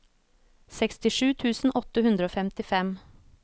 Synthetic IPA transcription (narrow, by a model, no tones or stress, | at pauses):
sɛkst̪ɪʂʉːt̪ʰʉːsn̩ʔɔt̪əhʉnd̪ɾəoːfɛmt̪ɪfɛm